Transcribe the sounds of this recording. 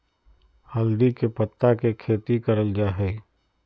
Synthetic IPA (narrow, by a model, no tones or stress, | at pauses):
hɐld̪ikepɐt̪ːakekʰeːt̪ikɐɾəld͡ʒaːɦɛː